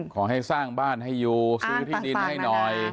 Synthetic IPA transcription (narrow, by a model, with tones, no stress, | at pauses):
kʰɔː˩˦ɦa˥˩jsaː˥˩ŋbaː˥˩nɦa˥˩jːuː˧sɯː˦˥t̪ʰiː˥˩di˧˩nha˥˩jnɔ˨˩j